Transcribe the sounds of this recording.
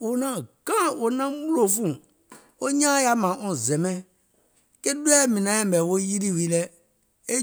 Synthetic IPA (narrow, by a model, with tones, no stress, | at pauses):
o˨nã˨ɡ̥ã˦o˨nã˦mu˦lo˦fũ˦˨ | o˦ɲã˦ja˦mã˨ʔɔ̃˨zɛ̃˨mɛ̃˦ | ke˦du˦ɛ˦mĩ˨nã˨˦ɛ̃˦m˨ɛ˨wo˦ji˦ɾi˦wi˦lɛ˦ | e˦